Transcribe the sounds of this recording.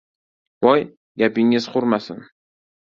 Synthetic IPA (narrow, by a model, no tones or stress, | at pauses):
bɒj | ɡʲapɪŋɪz̥qʊɾmasɪn